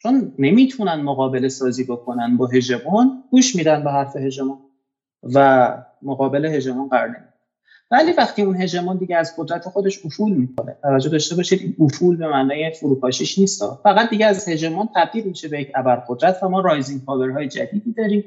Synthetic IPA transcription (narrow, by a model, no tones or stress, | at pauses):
t͡ʃʰo̞nːe̞miːt̪ʰunænmoɣɒːbe̞le̞sɒːziːbo̞kʰo̞nænbɒːɦe̞d͡ʒe̞mɒnɡ̥uːʃmiːd̪ænbeɦæɾfe̞ɦe̞d͡ʒe̞mɔːn | væ | moɣɒːbe̞le̞ɦe̞d͡ʒe̞mɔːnɢæɾɒ̰ːɾne̞mik | væliːvæxt̪ʰiːunɦe̞d͡ʒe̞mɒːnd̪iɟeæzɢod̪ɾæt̪ʰe̞xo̞d̪e̞ʃofulmiːkʰo̞ne̞̰t̪ʰævæd͡ʒːod̪ɒːʃt̪e̞bɒːʃid̪inʔofuːlbe̞mænɒːje̞foɾuːpʰɒːʃiʃniːst̪ɒ̰fæɣæd̪̚d̪iɟeæzhe̞d͡ʒe̞mɒnt̪ʰæb̚d̪iːlmiːʃe̞bejecʰæbæɾɢo̞d̪ɾæt̪ʰvæmɒːɾɒːjziŋɡ̚pʰɒːve̞ɾɦɒːjed͡ʒæd̪iːd̪iːd̪ɒːɾiːm